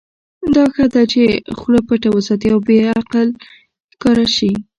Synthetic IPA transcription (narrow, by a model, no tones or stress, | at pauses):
d̪ɑxad̪at͡ʃexlopəʈawasɑt̪ijawbeaqal | hkɑɾaʃi